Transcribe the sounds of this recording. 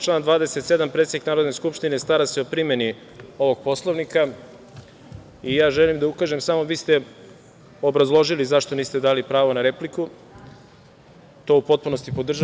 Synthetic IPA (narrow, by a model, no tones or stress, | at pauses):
t͡ʃlˠaːnd̪ʋaːd̪e̞set̪se̞d̪ampɾet̪ed̪iknaːɾo̞d̪ne̞skupʃt̪ine̞st̪aɾaseopɾimje̞ni | o̞ʋo̞ɡ̥̚po̞slˠoʋnika | ijaːʒelimd̪aukaːʒe̞msamo̞ʋiːst̪e̞ | o̞bɾazlˠo̞ʒilizaʃt̪o̞niːst̪e̞d̪aːlipɾaːʋo̞naɾe̞pliku | t̪o̞upo̞t̪̚puno̞st̪ipo̞d̪rʒa